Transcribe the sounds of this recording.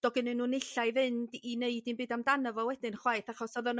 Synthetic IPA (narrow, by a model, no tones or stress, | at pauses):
d̥ɔɡɨnɨnːuːnɪɬajvɨndineɨdinbɨːdamdanəvɔwɛdɨnχwajθaχɔsɔðən